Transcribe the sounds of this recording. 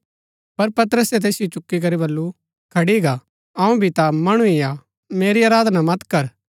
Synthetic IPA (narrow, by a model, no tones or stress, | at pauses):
pɐɾpɐt̪əɾəsɛt̪̬eːsɪjot͡ʃʊkːik̬ɐɾibɐlːu | kʰɐɽiɡa | ɐũbʱit̪amɐɽ̃uija | meːɾiaːɾaːd̪namɐt̪kɐɾ